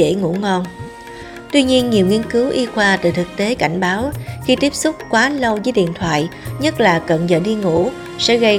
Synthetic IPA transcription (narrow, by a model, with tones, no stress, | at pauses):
ḛ˧˥ŋṵ˧˥ŋɔ˧n | t̪wi˧ɲi˧ənɲi˨˩əwŋi˧ənkɨ˨˦wʔi˧xwaː˧t̪ɨ˨˩t̪ɨ˨˩k̚t̪e˨˦ka˧˩jŋ̟ɓaː˨˦wxi˧t̪i˦˥əp̚sʊ˦˥k͡p̚kwaː˨˦lə˧wzəː˨˦jɗḭ˧˨ənt̪ʰwa̰ː˧˨jɲə˦˥t̚laː˨˩kə̰˨˩nzə̰ː˧˨˩ɗi˧ŋṵ˧˥ | sɛ̰˧˥ɣə˧j